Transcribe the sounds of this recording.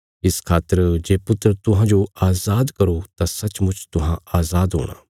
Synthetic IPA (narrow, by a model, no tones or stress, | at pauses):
ɪskʰaːt̪əɾd͡ʒeːpʊt̪ːɾt̪ʊɦãd͡ʒoaːzaːd̪kɐɾot̪asɐt͡ʃmʊt͡ʃʰt̪ʊɦãaːzaːd̪ɦo̰ːɽ̃a̰ː